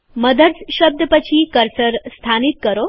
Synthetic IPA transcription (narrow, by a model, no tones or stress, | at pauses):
məd̪ʱəɾsɕəb̚d̪ʱəpət͡ɕʰiːkəɾsəɾst̪ʰanit̪̚kəɾo